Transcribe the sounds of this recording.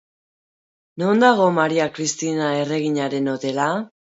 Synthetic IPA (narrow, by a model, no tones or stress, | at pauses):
nond̪aɣ̞o̞maɾiakɾist̪inae̞re̞ɣ̞iɲaɾe̞no̞t̪e̞la